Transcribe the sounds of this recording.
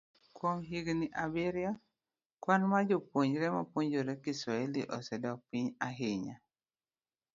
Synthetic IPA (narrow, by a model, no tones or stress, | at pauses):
kwomɦiɡniʔabɪɾjɔ | kwanmad͡ʒopwoɲɾɛmapoɲd͡ʒoɾɛkisɔɛlḭʔɔsɛdɔk̚piɲaɦɪɲa